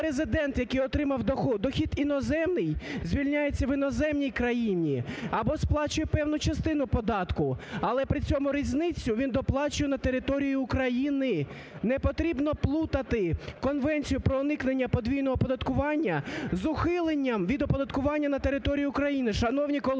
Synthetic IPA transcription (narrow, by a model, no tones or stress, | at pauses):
ɾezɪd̪ɛnt̪jɐkɪjɔt̪ɾɪmɐwd̪ɔxɔd̪ɔxʲid̪inɔzɛmnɪjzʲʋʲilʲnʲajet͡sʲːɐʋɪnɔzɛmnʲijkɾɐjinʲiɐbɔsplˠɑt͡ʃʊjɛpɛwnʊt͡ʃɐst̪ɪn̪ʊpɔd̪ɑt̪kʊɐlˠɛpɾɪt͡sʲɔmʊɾʲizʲnɪt͡sʲːʊʋʲind̪ɔplˠɑt͡ʃʊjɛnɐt̪e̞ɾɪt̪ɔɾʲijiːkɾɐjinɪ | nɛpɔt̪ɾʲibnɔplˠut̪ɐt̪ɪkɔnʋɛnʲt͡sʲijʊpɾɔːnɪknenʲːɐpɔd̪ʲʋʲijnɔɦɔpɔd̪ɐt̪kʊʋɑnʲːɐzʊxɪlˠenʲːɐmʋʲid̪ɔpɔd̪ɐt̪kʊʋɑnʲːɐnɐt̪e̞ɾɪt̪ɔɾʲijʊːkɾɐjinɪʃɐnɔwnʲikɔlˠ